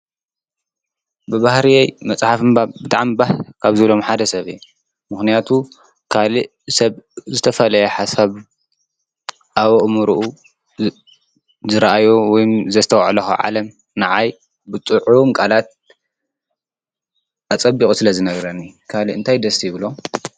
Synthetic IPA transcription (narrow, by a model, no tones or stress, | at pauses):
bɨβahɾiajmɐt͡sʼħafɨmbabɨt̪ʼaʕmibahkʰaβzɨβlo̞mħad̪ɐsɐβij | mɨxnijat̪ʰu | kʰaliʔ | sɐβzɨt̪ʰɐfɐlɐjɛħasaβ | ʔaβoʔmuɾuʔu | zɨɾaʔajowɔjmzɐst̪ʰɐwʕlɐxuʕa̰lɐm | nɨʕaj | bɨt͡sʼɨʕumkʼalat̪̚ | ʔat͡sʼɐbːikʼusɨlɐzɨnɐɡɾɐnːikʰaliʔɨnt̪ʰajd̪ɐst̪ʰijβɨlo̞